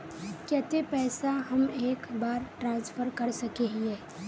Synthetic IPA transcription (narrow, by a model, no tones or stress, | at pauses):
kɛːt̪epɛːsaɦɐmeːkbaːɾʈɾãːnsfəɾkɐɾsɐkeɦĩeː